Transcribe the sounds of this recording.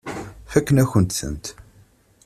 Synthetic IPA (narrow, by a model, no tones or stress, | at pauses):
fækːənæçənt̪sə̰nt̪